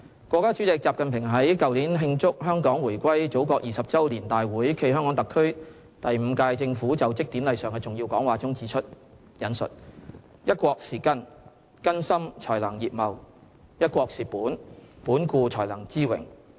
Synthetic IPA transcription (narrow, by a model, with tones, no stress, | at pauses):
kʷwɔː˧kːaː˥t͡ʃy˨˥t͡sɪ˨k̚t͡saː˨p̚kɐ˨npʰɪ˨˩ŋɦɐ˨˥jkɐ˨wliː˨˥nɦɪ˧ŋt͡sʊ˥k̚ɦœː˥ŋkɔː˨˥ŋwuː˨˩jkʷɐ˥jt͡so˨˥wkɔː˧k̚ʔjiː˨sɐ˨p̚t͡sɐ˥wliː˨˩nt̪aː˨jwuː˨˥jkʰe˧jɦœː˥ŋkɔː˨˥ŋt̪ɐ˨kʰɵ˥ɥ | t̪ɐ˨jm̩ː˨˧kaː˧jt͡sɪ˧ŋfuː˨˥t͡sɐ˨wt͡sɪ˥k̚t̪iː˨˥mlɐ˨jsœː˨ŋkɛː˧t͡sʊ˨ŋjiː˧wkɔː˨˥ŋwaː˨˩t͡sʊ˥ŋt͡siː˨˥t͡ʃʰɵ˥t̚ | jɐ˨˥nsɵ̰˨t̚jɐ˥t̚kʷɔː˧k̚siː˨˩kɐ˥n | kɐ˥nsɐ˥mt͡ʃʰɔː˨˩jlɐ˨˩ŋjiː˨p̚mɐ˨w | jɐ˥t̚kʷɔː˧k̚siː˨˩puː˨˥npuː˨˥nkuː˧t͡ʃʰɔː˨˩jlɐ˨˩ŋt͡siː˥wɪ̰˨˩ŋ